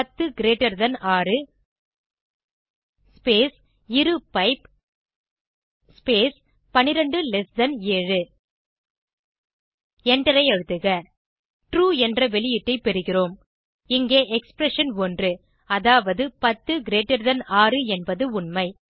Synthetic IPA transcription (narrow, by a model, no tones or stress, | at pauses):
ɐt̪ːɯɡɪɾeːʈːɐɾðɐnaːrɯ | peːs | ɪɾɯpɐɪp | speːs | pɐnɪɾɐɳɖɯlɛsd̪ɐneːɻɯ | ɛɳɖɐɾɐɪɐɻɯt̪ːɯɣɐ | ʈruːɛndrɐʋɛɭɪjɪʈːɐɪpɛɾɯɣɪroːm | ɪŋɡeːʔɛkspɾɛʂɐnɔndrɯ | ɐðaːʋɐðɯpɐt̪ːɯɡɪɾeːʈːɐɾðɐnaːrɯɛnbɐðɯʊnmɐɪ